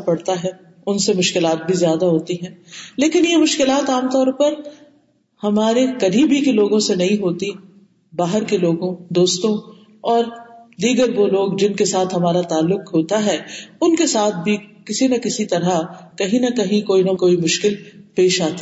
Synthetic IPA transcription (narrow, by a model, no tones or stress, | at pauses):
pɐɽt̪aɦɛː | ʊnsemʊʃkɪlaːt̪̚bʱizjaːd̪aɦoːt̪iɦɛ̃ːleːkɪnjemʊʃkɪlaːt̪aːmt̪ɔːɾpɐɾ | hɐmaːɾekɐɾiːbʱikeloːɡõsenɐɦĩɦoːt̪i | baːɦəɾkeloːɡõd̪oːst̪õ | ɔːɾd̪iːɡəɾʋoloːɡd͡ʒɪnkesaːt̪ʰɦɐmaːɾat̪aːlːʊkɦoːt̪aɦɛːʊnkesaːt̪̚ʰbʱikɪsinɐkɪsit̪ɐɾakɐɦĩnɐkɐɦĩkoːinɐkoːimʊʃkɪlpeːʃaːt̪i̥